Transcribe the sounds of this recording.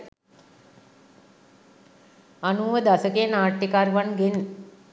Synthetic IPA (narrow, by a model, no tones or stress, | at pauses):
anuːʋəd̪asəkeːnaːʈːikaɾʋanɡen